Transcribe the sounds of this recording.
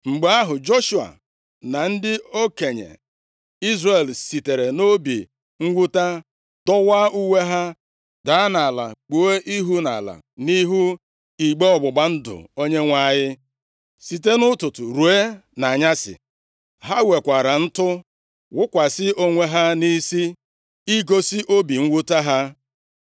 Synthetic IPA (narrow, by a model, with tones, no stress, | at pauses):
ŋ͡m̩˨ɡ͡be˨a˦ɦʊ˨d͡ʒo˦ʃu˨a̰˨ | na˨n̩˦dɪ˦o˦ke˨ɲḛ˨ | i˦zre˨lsi˨te˨ɾe˨no˦bḭ˨ | ŋ̩˦ɡʷu˦ta˦ | dɔ˦wa˦u˦wʷe˦ɦa˦ | da˨˦na˨la̰˨k͡po˨˦e˦ʔi˦ɦu˦na̰˨la̰˨ | ni˦ɦu˦ | i˨ɡ͡be˦ɔ˨ɡ͡bʊ˨ɡ͡ba˦n̩˦dʊ̰˨o˦ɲe˦ŋʷa˦˨ɲɪ˦ | si˨te˦nʊ˦tʊ˨tʊ˨ɾu˨e˦na˨ɲa˦sɪ̰˨ | ɦa˦we˨kʷa˨ɾa˨n̩˦tʊ˦ | wʊ˦kʷa˨sɪ˦ʔo˦ŋʷe˦ɦa˦ni˦si˦ | i˦ɡo˦sɪ˦ʔo˦bi˨ŋ̩˦wu˦ta˦ɦa˦